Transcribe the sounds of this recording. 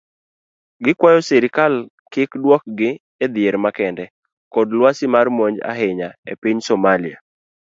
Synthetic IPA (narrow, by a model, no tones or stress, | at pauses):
ɡɪkwajɔseɾɪkal | kɪkdwɔk̚ɡɪ | ed̪ɪeɾmakɛndɛ | kɔdlwasɪmarmoɲd͡ʒa̰ɦɪɲaḛpiɲsomalia